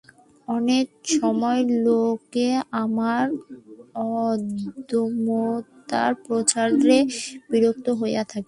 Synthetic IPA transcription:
ɔnek̚ʃɔmɔelokeamaɾ | ɔd̪omot̪a̰ɾpɾot͡ɕaɾɾebiɾok̚t̪oɦojjat̪ʰake

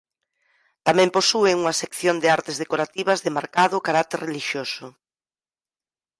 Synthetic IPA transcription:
t̪amɛ̃mposueŋuŋɐsekθjond̪ɪaɾt̪ezðekoɾat̪iβɐzðemaɾkaðʊkaɾat̪ereliʃjosʊ

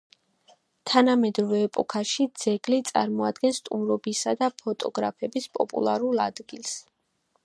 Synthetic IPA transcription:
t̪ʰanamɛd̪ɾɔvɛːpʼɔkʰaʃid̪z̥ɛɡlit̪sʼa̰ɾmɔad̪ɡɛnst̪ʼumɾɔbisad̪apʰɔt̪ʼɔ̰ɡɾapʰɛbispʼɔ̰pʼṵlˠaɾulˠa̰d̪̥ɡilˠs

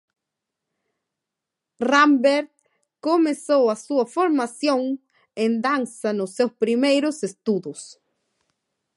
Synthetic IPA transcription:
rambeɾt̪̚ | komesowasuɐfoɾmasjõŋ | ẽnd̪ansanʊsːewspɾimejɾʊsest̪uðʊs

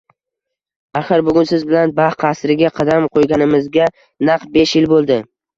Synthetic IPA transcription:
aχɨɾbʊɡʲʊnsɪzbɪlanbahqʰɑsɾɪɡʲaqʰɑd̪amqʰojɡʲanɪmɪzɡʲa | nɑqbe̞ʃjɪlbolˠd̪ɪ

